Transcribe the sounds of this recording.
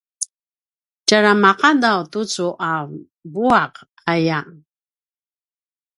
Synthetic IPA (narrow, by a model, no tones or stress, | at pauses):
caɾamaqadawtut͡suʔa | buaq | aja